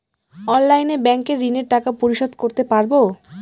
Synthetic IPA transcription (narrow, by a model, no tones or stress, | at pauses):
ɔnlajnebɛŋkeɾːineɾʈakapoɾiʃod̪ʱkoɾt̪epaɾbo